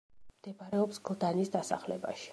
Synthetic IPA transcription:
md̪̥ɛbaɾɛɔpsɡ̥lˠd̪anisd̪asa̰χlɛba̰ʃi̥

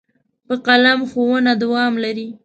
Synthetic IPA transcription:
pəqalamxowənad̪ʊwɑmlaɾi

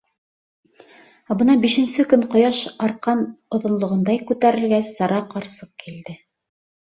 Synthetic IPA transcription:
æbɤ̆nɑbiʃɘ̆nsɘkɵɴqŏjɑʃɑɾqɑnŏðŏnlˠŏʁŏnd̪ɑjkʉt̪æɾɘ̆lɡæsːɑɾɑqɑɾsɤq̚kʰild̪ɘ

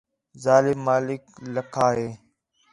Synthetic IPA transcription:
zaːlɪmːaːlɪkləkʰaːɦeː

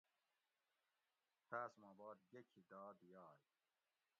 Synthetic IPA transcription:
t̪ʰaːsmaːbɑːd̪ɡekʰid̪aːd̪jɑːj

